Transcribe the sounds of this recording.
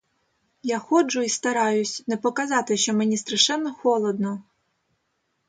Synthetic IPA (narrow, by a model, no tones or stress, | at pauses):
jaxɔd͡ʒʊist̪ɐɾɑjʊsʲnɛpɔkɐzɑt̪ɪʃt͡ʃɔmenʲist̪ɾɐʃɛnːɔxɔlˠɔd̪nɔ